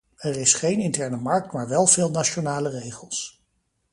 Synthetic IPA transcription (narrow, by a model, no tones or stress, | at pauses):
ɛrɪsχejnɪntɛɹnəmɑɹk̚tmaːɹʋɛlˠvɪːlˠnat͡ʃonaːlərejχəlˠs